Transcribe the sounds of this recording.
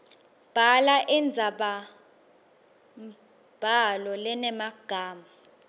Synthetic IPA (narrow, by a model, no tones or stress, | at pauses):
b̥ʱalaʔɛnd͡zʱaɓa | m | b̥ʱalɔlɛnɛmaɡ̥ʱaːma